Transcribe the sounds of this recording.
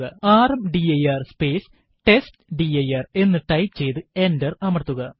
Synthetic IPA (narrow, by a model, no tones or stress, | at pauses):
ɣɐaːrɐmɖiɐjaːrspeːs | ʈe̞stɖiɐjaːre̞nːɨʈɐjpt͡ɕe̞jt̪ɨendɐrɐmɐrt̪ːuɣɐ